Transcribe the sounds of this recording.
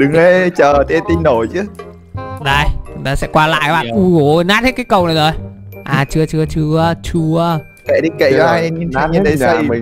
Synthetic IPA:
ɗɨ˨˦ŋə˧t͡ɕəː˨˩t̪ʰe˧t̪i˧nːo˧˩jt͡ɕɨ˨˦ | ɗə˧˩jŋt̪aː˧sɛ̰˧˥kwaː˧la̰ː˧˨jɓaː˧˩ʔu˧ɣo˨˦˧naː˦˥t̚hʰkaː˨˦jkə˨˩wnə˨˩jzo˨˩j | ʔaː˨˩t͡ɕɨ˧ət͡ɕɨ˧ət͡ɕɨ˧ət͡ɕu˧ə | kḛ˧˨ɗi˧kḛ˧˨aː˧jɲi˧n˧˦ɲɨ˧˦t̪ə˨˦jsə˧j

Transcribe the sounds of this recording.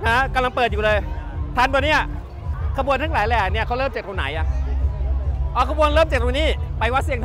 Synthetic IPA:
ha˦˥ka˧mla˧ŋpɤː˨˩juː˨˩lɤː˧jt̪ʰaː˧nbaː˨˩t̚niː˦˥˩ | kʰa˧bu˧ənt̪ʰa˦˥˩laː˩˦jlɛː˧˩ni˥˩kʰa˦˥wlɤː˥˩mt͡ɕe˨˩t̚ɾu˧na̰˨˩˦jʔa˨˩ʔ | ʔɔː˧˩kʰa˧bu˧ənləː˥˩mt͡ɕa˨˩t̚ɾu˧niː˦˥˩pa˧jwa˦˥t̪si˧əŋt̪ʰ

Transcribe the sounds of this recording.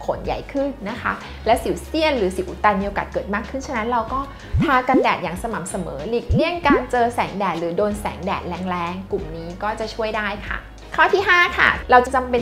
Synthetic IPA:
kʰo̰˨˩˦nja̰˨˩jkʰɯ˥˩nːa˦˥kʰa˦˥ | lɛː˦˥wsi˩˦wsi˥˩ənɾɯː˩˦si˨˩˦wʔu˨˩t̪aː˧nmi˧ə˧wka̰˨˩t̪̚kɤː˨˩t̪̚maː˥˩kʰːɯ˥˩nt͡ɕʰa˥˩na˦˥nɾa˧wkɔː˥˩ | t̪ʰaː˧ka˧ndɛː˨˩t̪̚jaː˨˩ŋsa˧ma˨˩˦msa˧mɤː˩˦li˨˩k̚li˥˩əŋkaː˧nt͡ɕɤː˧sɛː˩˦ŋdɛː˨˩t̪̚ɾɯː˩˦doː˧nsɛ̰ː˩˦ŋdɛː˨˩t̪̚lɛː˦ŋlɛː˦˥ŋku˨˩mniː˦˥kɔː˥˩t͡ɕa˨˩t͡ɕʰu˥˩əjdaː˥˩jkʰa̰˥˩ | kʰaː˥˩t̪ʰiː˥˩ɦaː˥˩kʰa̰˥˩ɾa˧wt͡ɕa˨˩t͡ɕa˧mpe˧

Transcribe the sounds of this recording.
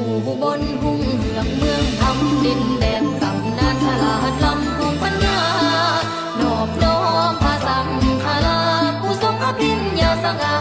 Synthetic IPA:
uː˨˩buː˧˩bo˧nhu˧˥ŋhɯ˧˩˦əŋ̚mɯ˧əŋt̪ʰa˧mde˧ndɛː˨˩ŋka˨˩mnaː˧˥nt̪ʰa˧laː˧˩˧t̪̚la˧˥mkʰɔ˧˦ŋpʰa˧˨nɲaː˧˩ʔa˧ | nɔː˨˩p̚nɔː˧˩hɔː˧˥pʰaː˧sa˧˦mkʰaː˧la˧˥kʰuː˧˩so˧˥k̚ʰaː˧˥pʰi˧njaː˧sa˧ka˧

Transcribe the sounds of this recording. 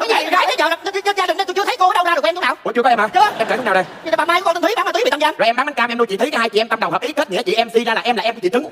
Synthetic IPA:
ɔ˨˦a˨˩zaː˨˦t̪ʰə˨˦zə̰ː˧˨za˨˩˧t͡ɕzaː˧ɗi˨˩ŋnə˧t̪jt͡ɕɨ˧ət̪ʰə˨˦jkoː˧˨˦ɗə˧wzaː˧ə˨˩k̪ʰːnaː˨˩wku˨˦t͡ɕəkɔ˨˦ʔɛ˧mʔaː˨˩t͡ɕɨ˧˨a˧˩kːŋ͡mnaː˨˩ɗə˨˩jɲɨ˧˨˩ɓaː˨˩maː˧jkːkɔ˧t̪ʰi˦ɓaː˨˦naː˨t̪ʰe˨˩a˧zaː˧zɔ˨˩ʔɛ˧mɗa˨˦ŋma˨˦nkaː˧m˨ʔɛ˧mɗo˧jt͡ɕḭ˧˨˩t̪ə˨˦ka˨˦˩haː˧jt͡ɕḭ˧˨ʔɛ˧mt̪a˧mɗə˨˩wɦə˨˩p̚ʔi˨˦hə˦˥t̚ɲḭ˧˩ə˦t͡ɕḭ˨ʔɛ˧msi˧zaː˧laː˨˩ʔɛ˧ma˨˩ʔɛ˧mk̪ːḭ˨˩ɨ˨˦˧

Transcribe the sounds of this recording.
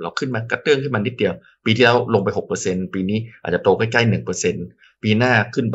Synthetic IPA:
ɾa˧wkʰɯ˥˩nmaː˧ka˧˥˩t̪ɯ˥˩˨ŋkʰa˥˩jma˧nːi˦˥t̪̚di˧əw | piː˧t̪ʰi˥˩lɛː˦˥wlo˧ŋpa˧jɦo˨˩k̚pɤː˧se˧npiː˧niː˦˥˩ʔaː˨˩t̚t͡ɕa˨˩t̪oː˧ka˥˩jka˥˩jnɯ˨˩ŋpɤː˧se˧n | piː˧naː˥˩kʰɯ˥˩np

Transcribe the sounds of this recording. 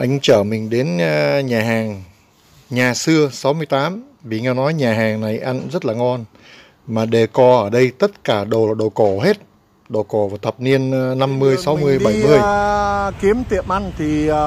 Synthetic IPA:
ʔa˧jŋ̟t͡ɕəː˧˩mï˨˩ŋ̟ɗe˨˦nɲaː˨˩ɦaː˨˩ŋ | ɲaː˨˩sɨ˧əsa˨˦wmɨ˧əjt̪aː˨˦m | vi˨˩ŋɛ˧nɔ˨˦jɲaː˨˩ɦaː˨˩ŋna˨˩jʔa˧ŋzə˦˥t̚laː˨˩ŋɔ˧n | maː˨˩ɗe˧˩kɔ˧˩ʔəː˧˩ɗə˧jt̪ə˦˥t̚kaː˧˩ɗo˨˩laː˨˩ɗo˨˩ko˧˩ɦe˦˥t̚ | ɗo˨˩ko˧˩vaː˨˩wt̪ʰə˨˩p̚ni˧ənːa˧mːɨ˧əjsa˨˦wmɨ˧əjɓa˧˩jjmɨ˧əjki˨˦əmt̪i˨˧˩əmʔa˧ŋt̪ʰi˨˩

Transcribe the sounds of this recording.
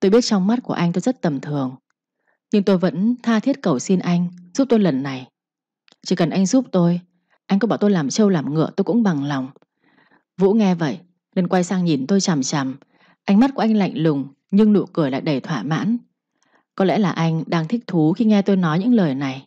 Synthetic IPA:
t̪o˧jɓi˦˥ət̚t͡ɕɔ˧wŋ͡mma˦˥t̚ku˧˩əʔa˧jŋt̪o˧jzə˦˥t̚t̪ə˨˩mt̪ʰɨ˨˩əŋ | ɲɨ˧ŋt̪o˧jvə̰˧˥nt̪ʰaː˧t̪ʰi˦˥ət̚kə˨˩wsi˧nʔa˧jŋ̟z̥u˦˥p̚t̪o˧jlə˨˩nːa˨˩j | t͡ɕi˧˩kə˨˩nʔa˧jŋ̟zuː˦˥p̚t̪o˧j | ʔa˧jŋkɔ˨˦ɓaː˧˩t̪o˧jlaː˨˩mt͡ɕə˧wlaː˨˩mŋɨ̰˧˩˨ət̪o˧jkʊ̰˧˥ŋ͡mɓa˨˩ŋlɔ˨˩wŋ͡m | vṵ˧˥ŋɛ˧və̰˧˨j | ne˧nkwa˧jsaː˧ŋɲi˨˩nt̪o˧jt͡ɕa˨˩mt͡ɕa˨˩m | ʔa˧jŋ̟m˦˥t̚kʔa˧ŋla̰˧˨jŋ̟lʊ˨˩ŋ͡m | ɲɨ˧ŋnṵ˧˨kɨ˧˩əjla̰ː˧˨jɗə˨˩jt̪ʰwaː˧˩ma̰ː˧˥n | kɔ˨˦lɛ̰˧˥laː˨˩ʔa˧jŋ̟ɗaː˧ŋt̪ʰi˦˥k̚t̪ʰu˨˦xi˧ŋɛ˧t̪o˧jnɔ˨˦jɲɨ̰˧˥ŋləː˨˩jna˨˩j

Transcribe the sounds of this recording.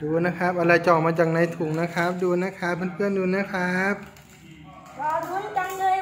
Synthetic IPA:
duː˧na˦˥kʰa˦˥p̚ʔa˧ɾa˧˩jt͡ɕɔː˨˩maː˧t͡ɕaː˨˩k̚na˧˩jt̪ʰuː˨˩ŋna˦˥kʰa˦˥p̚duː˧na˦˥kʰa˦˥pʰːa˧˩npʰɯ˥˩ənduː˧na˦˥kʰɾa˦˥p̚ | a˧

